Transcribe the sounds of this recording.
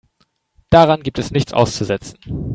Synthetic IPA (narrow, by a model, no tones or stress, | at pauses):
d̥aʁanɡiːp̚tʰɛsnɪçt͡sʔa̰ʊst͡suzɛt͡sn̩